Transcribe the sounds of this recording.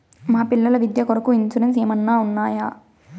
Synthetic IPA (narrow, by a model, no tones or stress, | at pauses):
maːpiɭːɐlɐʋid̪jɐkoɾɐkuint͡ʃuɾens̬eːmɐnːaːunːaːjaː